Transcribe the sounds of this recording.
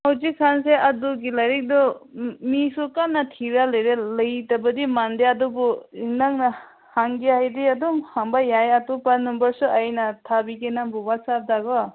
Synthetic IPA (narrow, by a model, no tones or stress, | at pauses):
hawzikʰːanseʔaduɡilaɾik̚dɔmisukanːatʰiɾalɯjɾelɯjtabɐdimandeadɔbɔiŋnaŋna | haŋɡeɦajdiadɔmhaŋbajajatupanːumbaɾsuajnatʰabikenambubasap̚daɡɔ